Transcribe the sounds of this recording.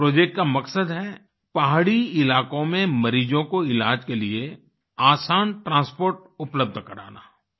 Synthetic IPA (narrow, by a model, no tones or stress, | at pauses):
pɾoːd͡ʒek̚ʈkamɐksəd̪ɦɛ | paːɦaɽiɪlaːkõmẽmɐɾiːd͡ʒõkoɪlaːd͡ʒkelie | aːsaːnʈɾãːspoːɾʈ̚ʊpləb̚d̪ʱkɐɾa̰ːna̰ː